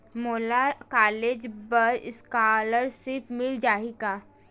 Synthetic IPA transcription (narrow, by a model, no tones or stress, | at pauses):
moːlakaːleːd͡ʒbəɾɪskaːləɾʃɪpmɪld͡ʒaːiɡaː